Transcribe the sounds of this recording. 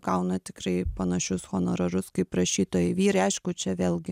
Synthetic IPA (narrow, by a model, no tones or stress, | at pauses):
kɐʊnɐt̪ʲɪkɾɐɪpɐnɐʃʲʊsxoːnoːɾoɾʊskɐɪpɾɐʃʲiːt̪oːjɛɪʋʲiːɾɐɪɐɪʃkʊt͡ʃʲɛʋʲeːlʲˠɡʲɪ